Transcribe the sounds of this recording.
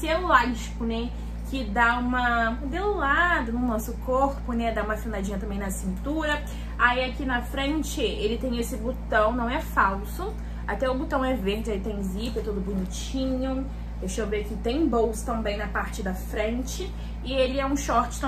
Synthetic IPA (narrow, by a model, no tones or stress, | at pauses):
sɪɛũlaʒikʊnɛ | kɪd̪aũmɐ | d̪eʊlad̪ʊnʊnɔsʊkoɾpʊnɛd̪aũmɐfinad͡ʒĩɲɐt̪ɐ̃mbẽj̃nɐsĩnt̪uɾɐ | aiakinɐfɾẽnt͡ʃɪelɪt̪ẽj̃esɪbut̪ɐ̃w̃nɐ̃w̃ɛfawsʊ | at̪ɛʊbut̪ɐ̃w̃ɛveɾd͡ʒɪaiɪt̪ẽj̃zipɛt̪od̪ʊbuɲit͡ʃ | ĩɲʊ | ewʃobekɪt̪ẽj̃bowsʊ̥t̪ɐ̃mbẽj̃nɐpaɾt͡ʃɪd̪ɐfɾẽnt͡ʃɪ | ɪelɪɛũʃɔɾt͡ʃɪ̥ɐ̃